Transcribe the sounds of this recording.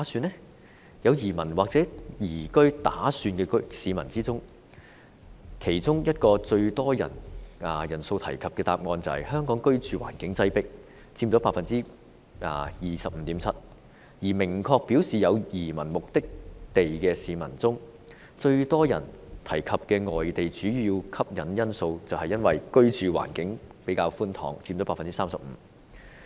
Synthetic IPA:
syː˧nːɛ˥ | jɐ˨˧wjiː˨˩mɐ˨˩nwaː˨k̚t͡sɛː˨˥jiː˨˩kɵ˥ɥt̪aː˨˥syː˧nkɛ˧ksiː˨˧mɐ̰˨˩nt͡siː˥t͡sʊ˥ŋ | kʰe˨˩jt͡sʊ˥ŋjɐ˥t̚kɔː˧t͡ʃɵ˧ɥt̪ɔː˥jɐ̰˨˩nɐ˨˧jɐ˨˩nso˧wt̪ʰɐ̰˨˩jkʰɐ˨p̚kɛː˧t̪aː˧p̚ŋɔː˧nt͡sɐ˨˧hɐ̰˨jhœː˥ŋkɔː˨˥ŋkɵ˥ɥt͡ʃyː˨˧wa̰ː˨˩nkɪ˨˥ŋt͡sɐ˥jpɪ˥k̚ | t͡siː˧mt͡sɔː˨˥paː˧t̚fɐ˨nt͡siː˥ | ɐ̰ː˧˩jiː˨˩sɐ˨p̚m̩˨t̪iː˨˥mt͡sʰɐ˥t̚ | jiː˨˩mɪ˨˩ŋkʰɔː˧k̚piː˨˥wsiː˨jɐ˨˧wjiː˨˩mɐ˨˩nmʊ˨k̚t̪ɪ˥k̚t̪e˨jkɛː˧siː˨mɐ˨˩nt͡sʊ˥ŋ | t͡ʃɵ˧ɥt̪ɔː˥jɐ̰˨˩nt̪ʰɐ˨˩jkʰɐ˨p̚kɛː˧ŋɔː˨jt̪e˨jt͡ʃyː˨˥jy˨˧iː˧wkʰɐ˥p̚jɐ˨˥njɐ˥nso˧wt͡sɐ˨whɐ˨jɐ˥nwɐ˨jkɵ˥ɥt͡ʃyː˨wa̰ː˨˩nkɪ˨˥ŋpe˨˥jkaː˧wfuː˥nt̪ʰɔ̰ː˨˥ŋt͡siː˧mt͡ɕɔ˨˥paː˧˥fɐ˨nt͡si˥saː˥msɐ˨p̚m̩˨˧˦

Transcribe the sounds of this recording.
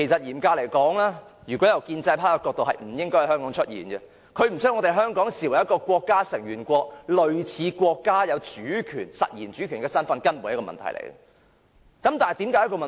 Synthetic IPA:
e˨˩jsɐ˨t̚jiː˨˩mkaː˧le˨˩jkɔː˨˥ŋlɛː˥jy˨˩kʷɔ˨˥jɐ˨˩wkiː˧nt͡sɐ˧jpʰaː˥a˧kɔː˧k̚t̪o˨wɦɐ˨˩jm̩˨˩jɪ˥ŋkɔ˥jhhœː˥ŋkɔː˨˥ŋt͡ʃʰɵ˥t̚jḭː˨˩nɡɛ˧ | kʰɵ˨˧ɥm̩˨˩t͡sʰœ˥ŋɔ˨˧t̪e˨˩jɦœː˥ŋkɔː˨˥ŋsiː˨˩wɐ˨˩jɐ˥tkɔː˧kʷwɔː˧kːaː˥sɪ˨˩ŋjyː˨˩nkʷɔː˧k̚lɵ˨ɥt͡sʰiː˨˦kʷɔː˧kːaː˥jɐ˨˧wt͡ʃyː˨˥kʰyː˨˩nsɐ̰˨t̚jiː˨˩nt͡ʃy˨˥kʰyː˨˩nkɛː˧sɐ˥nfɐ˧nkɐ˥nmuː˨˩jɐ˥kɔː˧mɐ̰˨nt̪ʰɐ˨˩jlḛ˨˩jɡɛ̰ | kɐ˨˥mt̪aː˨˩nɐ˨˩t̪i˨˥mkaː˨˥jkɔː˧mɐ˨

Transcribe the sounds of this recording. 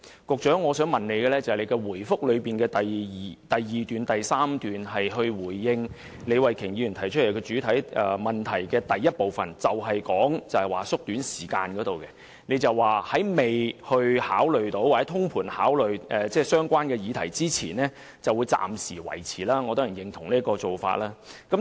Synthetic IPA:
kʊ˨k̚t͡ʃœː˨˥ŋːɔː˨˧sœː˨˥ŋmɐ˨˩nne˨˧jkɛː˧lɛː˥t͡sɐ˨hjle˨˧jkɛ˧wuː˨˩jfʊ˥k̚lɵ˨˧piː˨nkɛː˧t̪ɐː˨˩t̪ɐ˨jːiː˨t̪yː˨nt̪ɐ˨jsaː˥mt̪yː˨nɦɐ˨jɦɵ˧ɥwuː˨˩jːɪ˧ŋ | ne˨˧jwɐ˨jkʰɪ˨˩ŋji˨˧˥y˨˩nt̪ʰɐ˨˩jt͡ʃʰle˨˩jkɔː˧t͡ʃyː˨˥t̪ʰɐ˨˥jʔɛ˨˧mɐ˨nt̪ʰɐ˨˩jkɛː˧t̪ɐ˨jːɐ˥t̚po˨wfɐ̰˨˩nt͡sɐ˨wɦɐ˨jkɔː˨˥ŋt͡sɐ˨whɐ˨˩jwaː˨sʊ˥k̚t̪yː˨˥nsiː˨˩ka̰ː˧nkɔː˨˥t̪o˨wkɛ˧ | ne˨˧jt͡sɐ˨wwaː˨˩hɐ˨˥jme˨jhɵ˧ɥhaː˨˥wlɵ˨ɥt̪o˨˥wːa˨ɛ˨˦˥t̪ʰʊ˥ŋpʰuː˨˩nha̰ː˨˥wlɵ˨ɥʔɛː˨t͡sɛː˥˩sœː˥ŋkʷaː˥nkɛː˧jiː˨˧t̪ʰɐ˨˩jt͡siː˥t͡sʰiː˨˩nɛː˥ | t͡sɐ˨wu˨˧jt͡sa̰ː˨msiː˨˩wɐ̰˨˩jt͡sʰiː˨˩laː˥ŋɔ˨˧t̪oː˥ji˨˩jɪ˨ŋt̪ʰʊ˨˩ŋliː˥kɔː˧t͡so˨wfa̰ː˧t̚laː˥kɐ˨˥m

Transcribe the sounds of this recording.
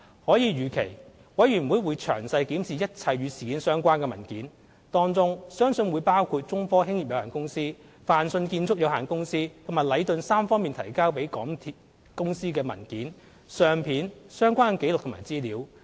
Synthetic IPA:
hɔː˨˥jiː˨˧ɥyː˨kʰe˨˩j | wɐ˨˥jɥyː˨˩nwuː˨˧jwuː˨˧jt͡ʃʰœ̰ː˨˩ŋsɐ˧jkiː˨˥msiː˨jɐ˥t̚t͡sʰɐ˧jɥyː˨˧siː˨˩kiː˨˥nsœː˥ŋkʷaː˥nkɛː˧mɐ˨˩nkiː˨˥n | t̪ɔː˥ŋt͡sʊ˥ŋsœː˥ŋsɵ˧nwuː˨˧jpaː˥wkʰuː˧t̚t͡sʊ˥ŋfɔː˥hɪ˥ŋji˨p̚jɐ˨˧whaː˨˩nkʊ˥ŋsiː˥ | faː˨nsɵ˧nkiː˧nt͡sʰʊ˥k̚jɐ˨˧whaː˨˩nkʊ˥ŋsiː˥t̪ʰʊ˨˩maː˨˩lɐ˨˧jt̪ɵ˧nsaː˥mfɔː˥ŋmiː˨nt̪ʰɐ̰˨˩jkaː˥wpe˨˥jkɔ̰ː˨˥ŋt̪ʰi˨t | kʊ˥ŋsiː˥kɛː˧mɐ̰˨˩nkiː˨˥n | sœː˧ŋpʰiː˨˥nsœː˥ŋkʷaː˥nke˨˥lʊ˨k̚tʰma̰ː˨˩jt͡siː˥liː˨˧˥w

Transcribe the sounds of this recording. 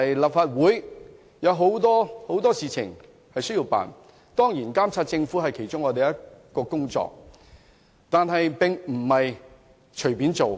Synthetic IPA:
jlaː˨p̚faː˧t̚wuː˨˥j | jɐ˨˧wɦo˨˥wt̪ɔː˥ho˨˥wt̪ɔː˥siː˨t͡sʰɪ̰˨˩ŋ | hɐ˨jsɵ˥jiː˧wpa̰ː˨˩n | t̪ɔː˥ŋjiː˨˩nkaː˥mt͡sʰaː˧t̚t͡sɪ˧ŋfuː˨˥ɦɐ˨jkʰe˨˩jt͡sʊ˥ŋɔː˨˧t̪e˨jɐ˥kɔː˧kʊ˥ŋt͡sɔ̰ː˧k̚ | t̪aː˨nɦɐ˨jpɪ˨ŋm̩˨˩mɐ˨j | t͡ʃʰɵ˨˩ɥpi˨˥nt͡so˨w

